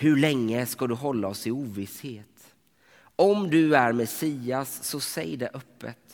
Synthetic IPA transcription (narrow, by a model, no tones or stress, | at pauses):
hɵɭɛŋːəskad̪ɵɦɔlːaɔsɪuːvɪsheːt̪ | ɔmd̪ɵæɾmɛsiːasːɔsɛ̰jɖɛʔœpʰːə̰t̪